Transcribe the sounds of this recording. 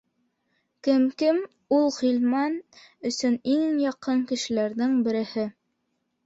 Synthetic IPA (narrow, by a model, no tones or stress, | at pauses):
kɘmkɘm | ulˠʁilmɑn | ɵ̆sɵniŋjɑqɤŋkɘ̆ʃɘ̆læɾðɘŋbɘ̆ɾɘ̆hɘ